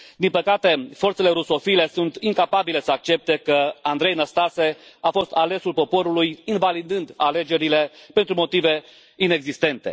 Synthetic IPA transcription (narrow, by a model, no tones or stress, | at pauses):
d̪inpəkat̪e̞fo̞rt̪se̞le̞ɾuso̞file̞sunt̪iŋkapabile̞səak̚t͡ʃe̞p̚t̪e̞kəand̪ɾe̞jnəst̪ase̞afo̞st̪ale̞sulpo̞po̞ɾulujinvalid̪ɨnd̪ale̞d͡ʒe̞ɾile̞pe̞nt̪ɾumo̞t̪ive̞ | ine̞ɡzist̪e̞nt̪e̞